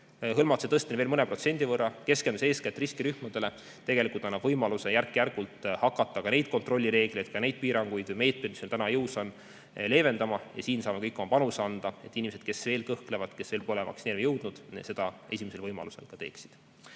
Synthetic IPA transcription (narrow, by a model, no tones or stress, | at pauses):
ɦɤlmɑt̪set̪ɤst̪enveːlmɤnepro̞t̪se̞nʲd̪̥ʲivɤrːɑke̞skend̪use̞ːskæt̪ːˑriskiɾyhmɑd̪̥e̞le̞ | t̪e̞ɡ̥e̞likˑult̪ɑnːɑb̥vɤjmɑluse̞jærkːjærɡ̥ult̪ˑhɑkːɑt̪ˑːɑkɑne̞jd̪̥̚ko̞nt̪ro̞lːiɾe̞ːɡ̥le̞jd̪̥̚kɑne̞jd̪̥̚piːɾɑŋɡ̥ujd̪vɯjme̞ːt̪̚me̥miselt̪ænɑjɤwsɑn | le̞ːve̞nd̪ɑmɑjɑ̰siːnsɑːme̞kɤjkːˑo̞mɑpɑnusɑnd̪̥ɑe̞t̪ːˑinʲimesed̪̥̚ke̞sve̞ːlkɤhklevɑd̪ke̞sveːlpo̞lemɑ̰ksinelvejɤwd̪̥nud̪̥se̞d̪̥ɑe̞sʲimese̞lvɤjmɑ̰luse̞̰lkɑt̪e̞ːksi̥d̪̥